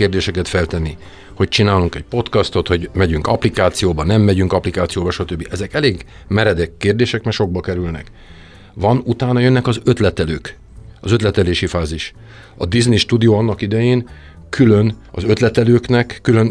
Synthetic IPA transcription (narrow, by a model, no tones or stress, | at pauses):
eːrd̪eːʃɛkɛt̪fɛlt̪ɛnːi | ho̞c̚t͡ʃinaːluŋkɛc̚po̞t̪kɒst̪o̞t̪ho̞ɟmɛɟyŋkɒplikaːt̪sijoːbɒnɛmːɛɟyŋkɒplikaːt̪sijoːbɒʃɒt̪øbːiʔɛzɛkɛleːɡ | mɛɾɛd̪ɛkːeːrd̪eːʃɛkmɛrʃo̞ɡ̚bɒkɛɾylnɛ̰k | vɒnut̪aːnɒjønːɛkɒzøt̪lɛt̪ɛløːk | ɒzø̞t̪lɛt̪ɛleːʃifaːziʃ | ɒd̪izniʃt̪ud̪ijoːɒnːɒkid̪ɛjeːn | kʰylø̞nɒzø̞t̪lɛt̪ɛløːknɛkːyløn